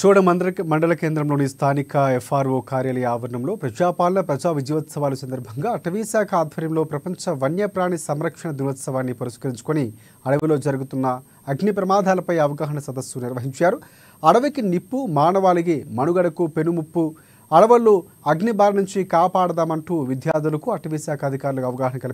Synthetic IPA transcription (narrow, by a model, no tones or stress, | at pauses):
t͡ʃɔːɽɐmɐɳɖɐlɐkeːnd̪ɾɐmlo̞ːnist̪ʰaːnikɐefʰaːɾʋoːkaːɾjɐlɐjɐaːʋɐɾɐɳɐmlo̞ːpɾɐd͡ʒaːpaːlɐnɐpɾɐd͡ʒaːʋid͡ʒjʋɐt̪sɐʋaːlɐsɐnd̪ɐɾbʱɐŋɡaːɐʈɐʋiɐsaːkʰɐaːd̪ʱʋɐɾjɐmlo̞ːpɾɐpɐɲt͡ʃɐʋɐnjɐpɾaːɳisɐmɾɐkʂɐɳɐd̪inʋɐt̪sɐʋaːnːipɐɾiskɐɾiɲt͡ʃu̥koni | ɐɽɐʋɐlo̞ːd͡ʒɐɾuɡut̪unːɐː | ɡnipɾɐmaːd̪ʱaːlɐpɐjɐʋɐɡaːɦɐɳɐsɐd̪ɐsːuniɾʋɐɦiɲt͡ʃaːɾu | ɐɽɐʋɐkinipːumaːnɐʋaːliɡemɐnuɡɐɽɐkupenumupːu | ɐɽɐʋɐlu | ɐɡnibaːɾɐnuɲt͡ʃikaːpaːɽɐd̪aːmɐɳʈuːʋid̪ʱjaːd̪ulɐkuɐʈɐʋiːsaːkʰɐɐd̪ʱikaːɾulɐkɐʋɐɡaːɦɐɳɐkɐli